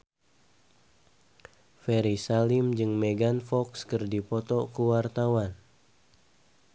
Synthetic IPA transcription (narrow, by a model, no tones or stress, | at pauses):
fɛɾisalimd͡ʒɨŋmeɡanfɔkskɨrdipɔt̪ɔkuwart̪awan